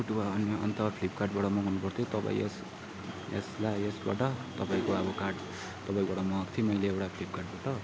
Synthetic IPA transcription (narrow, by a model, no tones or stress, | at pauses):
uʈuaːniʌ̰nt̪ʌpʰlip̚kaʈbaʈʌmʌɦʌnːupʌrt̪ʰjot̪ʌpa̰ḭ̃es | ḛslaesba̰ʈʌt̪ʌpaĩkoʌbʌkaʈ | t̪ʌpaĩkbaɽʌmʌːkt̪ʰimʌjleewʈapʰilip̚karʈ̚baʈʌ